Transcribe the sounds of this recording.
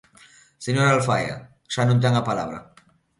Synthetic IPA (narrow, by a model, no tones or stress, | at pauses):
seɲoɾalfa̰ja̰ | ʃanũnt̪̬aŋapalaβɾa̰